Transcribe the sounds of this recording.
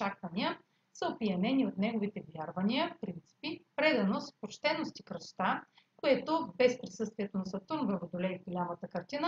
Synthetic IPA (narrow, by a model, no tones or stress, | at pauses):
t͡ʃakvɐniə | səopiɐnɛniot̪nɛɡovit̪ɛvjaɾvɐniəfpɾint̪si̥pipɾɛd̪ɐnospot͡ʃt̪ɛnost̪ikɾəʃt̪a | koɛt̪obɛspɾisɤst̪viɛt̪onɐsɐt̪uɾmvɾɐvod̪olɛivɡolʲamət̪əkɐɾt̪inə